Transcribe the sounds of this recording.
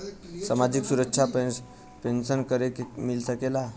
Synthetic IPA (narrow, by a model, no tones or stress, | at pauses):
samad͡ʑiksuɾəkt͡ʃʰa | pensənkəɾemilsəkela